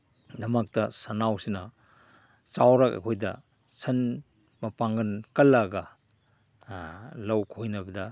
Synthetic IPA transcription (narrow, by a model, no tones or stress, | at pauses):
dɐmɐk̚tɐsɐnawsinɐ | t͡ʃawɾɐkɐ̰kʰojdɐ̰ | sʰɐn | mɐpaŋɡɐnkɐlːɐɡɐ | lɐwkʰojnɐbɐdɐ